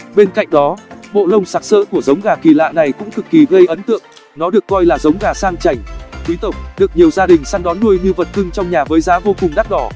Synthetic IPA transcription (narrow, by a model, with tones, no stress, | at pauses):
ɓe˧nka̰˧˨jŋ̟ɗɔ˨˦ɓo̰˧˨lə˧wŋ͡msaː˦˥t̚sə̰ː˧˨ku˧˩əzə˨˦wŋ͡mɣaː˨˩ki˨˧˩la̰ː˧˨na˨˩jkʊ̰˧˥ŋ͡mt̪ʰɨ˨˩k̚ːi˨˩ɣə˧jʔə˨˦nt̪ɨ̰˧˨əŋ | nɔ˨˦ɗɨ˨˩əkːɔ˧jlaː˨˩zə˨˦wŋ͡mɣaː˨˩saː˧ŋt͡ɕa˨˩jŋ̟t̪ʰi˨˦t̪ə˨˩wk͡p̚ɗɨ˨˩ək̚ɲi˨˩əwzaː˧ɗï˨˩ŋ̟saː˧ŋɗɔ˨˦nːu˧əjɲɨ˧və˨˩t̚kɨ˧ŋt͡ɕɔ˧wŋ͡mɲaː˨˩vəː˨˦jzaː˨˦vo˧kʊ˨˩ŋ͡mɗa˦˥t̚ɗɔ˧˩